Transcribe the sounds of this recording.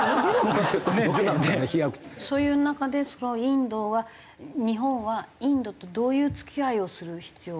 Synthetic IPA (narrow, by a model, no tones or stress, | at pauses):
oot̪ːoebokonãeaçijakɯ̟̥t̪ːso̞ːjɯːnakad̪e̞sonoĩnd̪o̞βa | ɲ̟iɦõ̞ɰ̃βaĩnd̪o̞t̪o̞d̪o̞ːjɯ̟ːt͡sɨ̥kʲiaio̞sɨɾɯ̟çi̥t͡sɨjoː